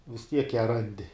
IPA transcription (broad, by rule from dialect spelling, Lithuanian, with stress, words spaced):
ʋʲɪs ˈtʲiɛk jæː ˈrɐnʲdʲɪ